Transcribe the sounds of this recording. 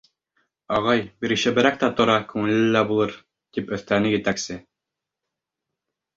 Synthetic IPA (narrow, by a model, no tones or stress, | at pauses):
ɑʁɑjbiɾɘ̆ɕɘbɘ̆ɾæk̚t̪æt̪ŏɾɑkʉŋɘ̆lɘlːæbulˠɤɾ | t̪ipɵ̆θt̪ænɘjɘ̆t̪æksɘ